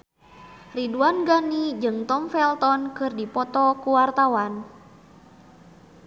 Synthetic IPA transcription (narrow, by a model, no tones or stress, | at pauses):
riduanɡanid͡ʒɨŋt̪ɔmfɛlt̪ɔnkɨrdipɔt̪ɔkuwart̪awan